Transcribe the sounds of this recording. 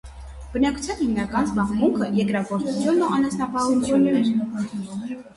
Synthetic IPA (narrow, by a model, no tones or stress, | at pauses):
b̥ənɑkʰu̥t͡sʰjɑnhimnɑkɑnsbɑχmuŋkʰəjɛkɾɑkɔɾt͡s̪ʰut͡sʰjunːuʔɑnɛsnɑpɑhunt͡sʰjunnɛɾ